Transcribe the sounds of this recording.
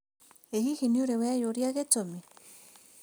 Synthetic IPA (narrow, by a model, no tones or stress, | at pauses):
eɦihiniuɾeweajoɾiaɣet͡somi